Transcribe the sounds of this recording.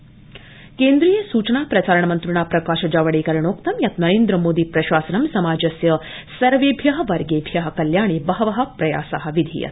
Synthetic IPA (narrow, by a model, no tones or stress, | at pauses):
keːnd̪ɾiːjɐsuːt͡ʃɐnaːpɾɐt͡ʃaːɾɐɳɐmɐnt̪ɾuɳaːpɾɐkaːʃɐd͡ʒaːʋɐɽeːkɐɾɐɳoːkt̪ɐmjɐt̪nɐɾeːnd̪ɾɐmoːd̪ipɾɐʃaːsɐnɐmsɐmaːd͡ʒɐsjɐ | sɐɾʋeːbʱjɐɦɐʋɐɾɡeːbʱjɐɦɐ̆kɐljaːɳeːbɐɦɐʋɐɦɐ̆pɾɐja̰ːsaɦɐ̆ʋid̪ʱḭːjɐ̰t̪